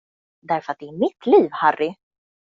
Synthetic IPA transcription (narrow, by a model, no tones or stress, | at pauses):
d̪æɾfœɾat̪̚d̪ɛæɾmɪt̪ʰliːvharːɪ